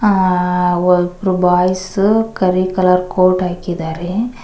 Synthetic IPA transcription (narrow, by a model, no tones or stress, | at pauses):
ɔpɾubaːjskɐɾikɐlaɾkoːʈaːkid̪aːɾe